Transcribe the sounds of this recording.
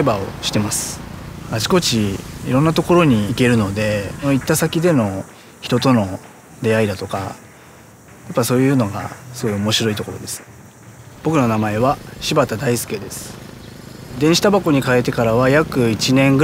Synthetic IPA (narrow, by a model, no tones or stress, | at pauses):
ebao̞̰ɕi̥t̪e̞masɨ̥at͡ɕi̥ko̞t͡ɕiːɾõ̞nːat̪o̞ko̞ɾo̞ɲ̟iːke̞ɾɯ̟no̞d̪e̞noit̪ːasakʲid̪e̞no̞ | çi̥t̪o̞t̪o̞no̞ | d̪e̞aid̪at̪o̞ka̰ | japːaiso̞ːjɯːno̞ɡa̰sɨɡo̞jio̞mo̞ɕiɾo̞it̪o̞ko̞ɾo̞d̪e̞sɨ̥ | b̥o̞kɯ̟no̞namae̞βaɕibat̪ad̪aisɨ̥ke̞d̪e̞sɨ̥ | d̪ẽɕi̥t̪abako̞ɲ̟ikae̞t̪e̞kaɾaβajakɯ̟it͡ɕinẽ̞ŋɡɯ